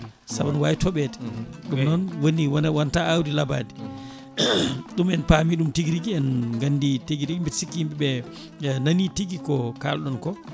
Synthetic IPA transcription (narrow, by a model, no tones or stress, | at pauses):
sabɔnwajitɔɓɛtɗumnɔnwoniwanwantaawdilaba̰ːdi | ɗumɛnpamiɗumtiɡɾiɡiɛnɡanːditeɡiɾiɡimbitsikːimɓɛɓɛ | naniteɡikɔka̰lɗɔnkɔ